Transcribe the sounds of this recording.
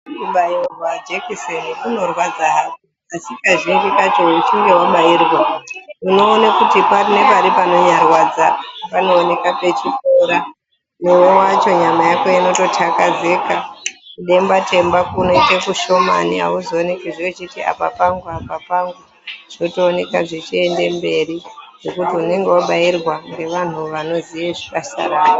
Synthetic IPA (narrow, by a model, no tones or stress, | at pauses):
uɓajirwad͡ʒekiseŋeuno̞rwad͡zaɦaki | asikaʐiŋɡikat͡ʃout͡ʃiŋɡe̞waɓairwauno̞ːnakutiparine̞paɾipano̞ɲarwad͡zapano̞ːne̞kape̞t͡ʃifoɾa | newewat͡ʃo̞ɲamajakojano̞to̞tʰakaze̞kakuɗe̞mbatʰe̞mbakunoitekuʃo̞ma̰nia̰uzoːnekiʐiet͡ʃitia̰pa̰paŋɡuapapaŋɡu | ʐ̥notoːne̞kaʐet͡ʃie̞nde̞mbe̞ɾiʐ̥o̞kutiune̞ŋɡe̞waɓairwaŋɡe̞ʋan̤uʋano̞zieʐikasa̰ɾaːno